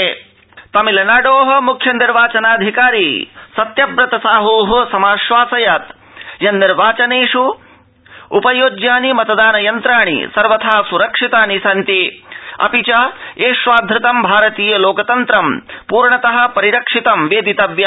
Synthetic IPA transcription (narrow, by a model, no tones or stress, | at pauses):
t̪ɐmilɐnaːɖoːɦɐ̆mukʰjɐniɾʋaːt͡ʃɐnaːd̪ʱikaːɾiːsɐt̪jɐbɾɐt̪ɐsaːɦoːɦɐsɐmaːʃʋaːsɐjɐt̪ | jɐnnːiɾʋaːt͡ʃɐneːʂu | upɐjoːd͡ʒjaːnimɐt̪ɐd̪aːnɐjɐnt̪ɾaːɳḭsɐɾʋɐt̪ʰaːsuɾɐkʂit̪aːnisɐnt̪iɐ̰pit͡ʃaːeːʃʋaːd̪ʱɾɪt̪ɐmbʱaːɾɐt̪iːjɐloːkɐt̪ɐnt̪ɾɐmpuːɾɳɐt̪ɐɦɐ̆pɐɾiɾɐkʂit̪ɐmʋeːd̪it̪ɐʋjɐ